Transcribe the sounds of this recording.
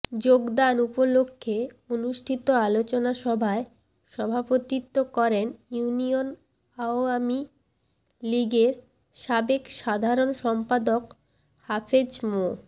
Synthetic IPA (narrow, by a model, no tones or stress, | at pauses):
d͡ʑoɡd̪anupolokʰːe | onuʃʈʰit̪oalot͡ɕonaʃɔbʱae | ʃɔbʱapot̪it̪ːokɔɾenjunion | aoami | liɡeɾ | ʃabekʃad̪ʱaɾonʃɔmpad̪ok | hafʰed͡ʑmo